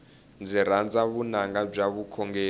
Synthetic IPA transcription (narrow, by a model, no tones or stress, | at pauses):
nd͡ziɾ̤and͡zaβunaŋɡab͡ʐaβukʰɔŋɡɛː